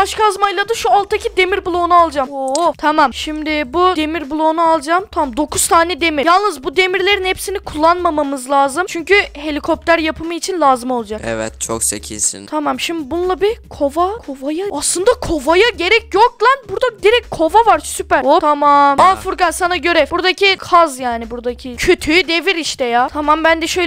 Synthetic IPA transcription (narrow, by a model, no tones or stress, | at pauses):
baʃkaazmajlˠad̪aʃualˠt̪ʰacʰid̪e̞miɾbulˠo̞nualˠd͡ʒaːmot̪ʰamamʃimd̪ɪbud̪e̞miɾbulˠo̞ːnualˠd͡ʒaːmt̪ʰammd̪o̞kʰuz̥t̪ʰaːnɛd̪e̞miɾjalˠnɯzbud̪e̞miɾlʲe̞ɾinhepsinikʰulˠːanmamamɯzlˠaːzɯmt͡ʃʰyɲcyhe̞lʲikʰo̞p̚t̪ʰæɾjapʰɯmɯit͡ʃʰinlʲˠaːzɯmo̞lˠad͡ʒakḛvɛ̰t̪t͡ʃʰo̰ksḛcʰḭnsḭnt̪ʰamamʃimd̪ɪbunulˠabikʰo̞vakʰo̞vajaaslˠɯnd̪akʰo̞vajaɟe̞ɾɛcjok̚lˠanbuɾd̪ad̪iɾɛc̚kʰo̞vavaɾsypæɾot̪ʰamamafuɾɡansanaɟø̞ɾɛbuɾd̪acʰikʰazjaːnibuɾd̪acʰicʰøt̪ʰyd̪e̞viɾiʃt̪ʰɛjaːt̪ʰamambænd̪ɛʃø̞j